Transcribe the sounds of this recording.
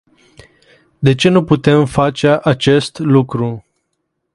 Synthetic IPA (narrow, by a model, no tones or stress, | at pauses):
d̪e̞t͡ʃe̞nuput̪e̞mfat͡ʃeʔat͡ʃe̞st̪lukɾu